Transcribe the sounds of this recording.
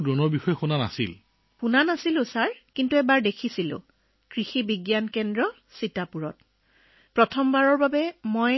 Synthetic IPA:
dɔnɔɹbixɔjɔxunana̰sḭl | xunanasilʊ̃saɹkintuɛbaɹdekʰisilʊ̰̃ | kɹixibiɡjankɛndɹɔ | sitapuɹɔ̰t | pɹɔtʰɔmbaɹɔɹbabɛmoj

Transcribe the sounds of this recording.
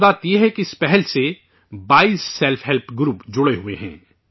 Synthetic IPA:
d̪aːt̪jeɦɛkiɪspɛɦɛlse | baːiːsːɛlfʰɦɛlpʰɡɾuːpd͡ʒʊɽeɦʊeɦɛ̰̃ː

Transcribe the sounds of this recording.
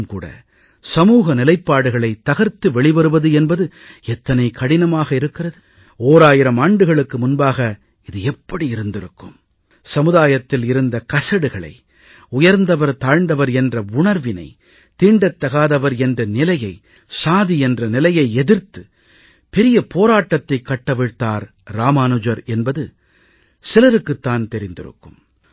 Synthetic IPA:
mkṵːɽɐ̰ | sɐmuːɣɐnɪlɐɪpːaːɽɯɣɐɭɐɪt̪ːɐɣɐɾt̪ːɯʋɛɭɪbɐɾɯʋɐðɯɛnbɐðɯ | ɛt̪ːɐnɐɪkʰɐɽɪnɐmaːɣɐɪɾɯkːɪrɐðɯ | oːɾaːjɪɾɐmaːɳɖɯɣɐɭɯkːɯmʊnbaːɣɐ | ɪðɯɛpːɐɽiɪɾɯnd̪ɪɾɯkːɯ̰m | sɐmɯðaːjɐt̪ːɪlɪɾɯnd̪ɐkɐsɐɽɯɣɐɭɐ̰ɪ | ʊjɐɾnd̪ɐʋɐɾt̪aːɻnd̪ɐʋɐɾɛndrɐʊɳɐɾʋɪnɐ̰ɪ | t̪iːɳɖɐt̪ːɐɣaːðɐʋɐɾɛndrɐnɪlɐjɐɪ | saːðiɛndrɐnɪlɐjɐɪɛðɪɾt̪ɯ | pɛɾɪjɐpoːɾaːʈːɐt̪ːɐɪkːɐʈːɐʋɪɻt̪ːaːɾ | ɾaːmaːnɯd͡ʒɐɾɛnbɐðɯ | sɪlɐɾɯkːɯt̪ːaːnt̪ɛɾɪnd̪ɪ̰ɾɯ̰kːɯm

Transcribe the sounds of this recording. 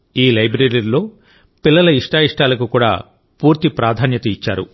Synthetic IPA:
iːlɐjbɾeɾiɾlo̞ː | pilːɐlɐiʂʈaːiʂʈaːlɐkukuːɽa̰ː | puːɾt̪ipɾaːd̪ʱaːnjɐt̪ɐit͡ʃːaːɾṵ

